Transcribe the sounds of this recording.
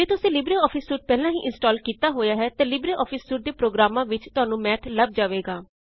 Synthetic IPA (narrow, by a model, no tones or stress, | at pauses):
d͡ʒeːt̪ʊsĩːlɪbɾeːɔːpʰɪsːuːʈ̚pɛːlãːɦḭːʔɪ̃nsʈaːlkiːt̪aːɦoːjaːɦɛːt̪ẽːlɪbɾeːʔɔːpʰɪsːuːʈ̚d̪eːpɾoːɡɾaːmãːʋɪt͡ʃt̪ʊaːnũːmɛːʈ̪ʰləb̚d͡ʒaːʋeːɡaː